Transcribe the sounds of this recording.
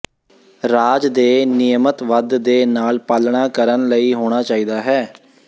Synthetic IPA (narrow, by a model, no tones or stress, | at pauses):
ɾaːd͡ʒd̪eːnɪjmət̪ʋəd̪d̪eːnaːlpaːlɳaːkəɾənləiːɦoːɽ̃aːt͡ʃaːiːd̪aːɦɛː